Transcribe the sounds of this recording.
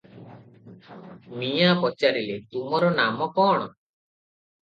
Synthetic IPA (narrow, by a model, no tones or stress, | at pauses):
mijapɔt͡ʃaɾilet̪umɔɾɔnamɔkɔɽ̃ɔ